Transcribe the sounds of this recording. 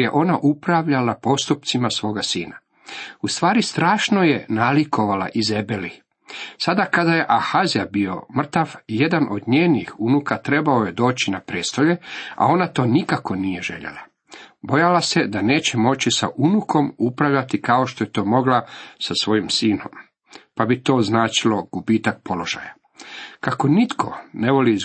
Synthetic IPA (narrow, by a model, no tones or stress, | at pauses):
je̞ʔo̞naʔupɾaʋʎalapo̞st̪upt̪simasʋo̞ːɡasiːna | ust̪ʋaːɾist̪ɾaːʃno̞je̞naliko̞ʋala̰ʔizebeli | sad̪akad̪aje̞ʔaxazijabio̞̰mr̩t̪aʋje̞d̪anʔo̞d̪ɲeːnixunukat̪ɾe̞bao̞je̞d̪o̞ːt͡ɕinapɾeːst̪o̞ʎea̰o̞nat̪o̞ːnikako̞nije̞ʒe̞̰ʎḛla | bo̞jalased̪ane̞ːt͡ɕe̞mo̞t͡ɕisaʔunukʰo̞mupɾaʋʎat̪ikao̞ʃt̪o̞jet̪o̞ːmo̞ɡlasasʋo̞jimsiːno̞̰m | pabit̪o̞ːznaːt͡ʃilo̞ɡ̥ubiːt̪ak̚pʰo̞lo̞ʒa̰ja | kako̞nit̪kʰo̞̰ne̞ʋo̞liz